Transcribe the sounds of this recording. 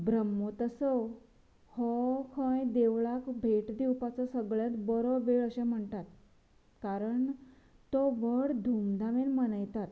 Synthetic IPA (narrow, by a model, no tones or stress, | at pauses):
bɾəmːot̪əsɔ | hɔkʰə̃jd̪eʋɭakbʱeʈd̪iwpat͡sɔsəɡɭjat̪bəɾoʋeɭəɕẽm̤əɳt̪at̪ | kaɾəɳ | t̪ɔʋəɽd̪ʱumd̪ʱaʋenmənəjt̪at̪